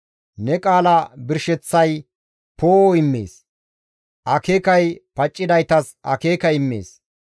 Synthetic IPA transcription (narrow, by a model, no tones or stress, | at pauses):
nɛkʼaːlɐbɪɾʃɛt͡sːɐj | poːɪmːḛːs | ʔɐkeːkɐjpɐt͡ʃʼːɪd̪ɐjt̪ɐs | ɐ̰ke̞ːkɐɪmːḛːs